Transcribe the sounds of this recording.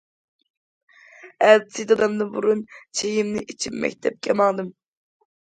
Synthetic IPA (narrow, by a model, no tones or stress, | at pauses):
ælsʰid̪ɑd̪ɑmd̪ɨbuɾunt͡ʃʰejimnɪʔit͡ʃʰimːɛ̰k̚ʲt̪ʰɛp̚kʲʰɛmɑŋd̪ɨm